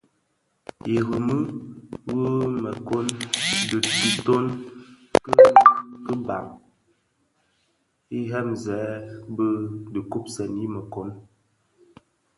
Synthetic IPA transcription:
i˨ɣə˨mɨ˦wə˦mə˨ko˦ndɨ˨ti˨to˦n | kkə˦ba̰˨ŋ | i˦ɦɛ˦mzɛː˨˦bə˦də˨ku˦p̚sə˨ni˦mə˨ko˦n

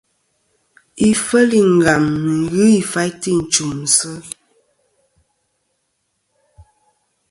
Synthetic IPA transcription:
i˨fə˦li˨ŋ˨ɡa˨mːi˨ɣɨ˦i˨fa˦jti˦˨n̩˨t͡ʃu˨m̩˨sə˦

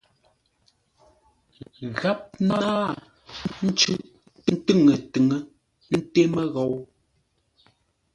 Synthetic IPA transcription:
ɣa˦p̚na˦aː˦ | n̩˦t͡ʃʉ˦ | tɨ˦˨ŋə˨tɨ˨ŋə˦ | n̩˦te˦mə˦ɣɔ˨w

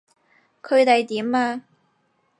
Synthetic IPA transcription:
kʰɵ˨˧ɥt̪e˨˧jt̪iː˨˥maː˧

